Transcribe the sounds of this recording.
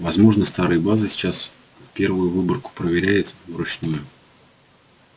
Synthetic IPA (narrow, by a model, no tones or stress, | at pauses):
vɐzmo̞ʐnəst̪aɾɨjəbazɨsʲɪ̥t͡ɕas | fpʲe̞rvʊjʊvɨbərkʊ̥pɾəvʲɪɾʲæjɪt̪vɾʊt͡ɕnujʊ